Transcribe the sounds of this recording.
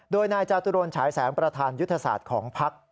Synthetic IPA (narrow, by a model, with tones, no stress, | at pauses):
doː˧jnaː˧jt͡ɕaː˧t̪u˧ɾoː˧nt͡ɕʰaː˩˦jsɛː˩˦ŋpɾa˧t̪ʰaː˧nju˥t̪ʰːa˧sa̰ː˨˩t̪̚kʰɔː˩˦ŋpʰa˦˥k̚